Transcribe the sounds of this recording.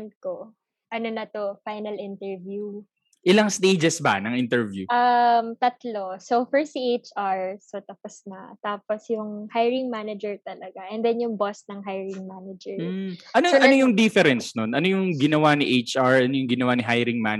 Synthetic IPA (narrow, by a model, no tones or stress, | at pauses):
n̚ko | ʔɐnonɐt̪ofajnɐlʔɪnt̪ɛɹvju | ʔɪlɐŋst̪ejd͡ʒɛsbɐ̰nɐŋʔɪnt̪ɛɹvjuʔɐmt̪ɐt̪losofɛɹsiʔejt͡ʃʔaɹsot̪ɐposnɐ̰t̪aːposjʊŋhajɹɪŋmanɐd͡ʒɛɹt̪ɐlɐɡaʔɛnd̪ɛnjʊŋbosnɐŋɦajɹɪŋmanɐd͡ʒɛɹ̩ʔɐnojɐnojʊŋd̪ɪfɛɾɛnsnonɐnojʊŋɡɪnɐwanɪʔejt͡ʃʔaɹɐnojʊŋɡɪnɐwanɪɦajɾɪŋman